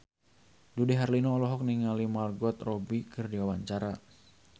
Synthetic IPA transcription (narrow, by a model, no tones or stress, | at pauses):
dudɛɦarlinɔːlɔɦɔk̚niŋalimarɡɔt̪rɔbikɨrdiwawaɲt͡ʃaɾa